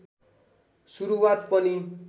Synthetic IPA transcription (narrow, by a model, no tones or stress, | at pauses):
suɾuwat̪pʌni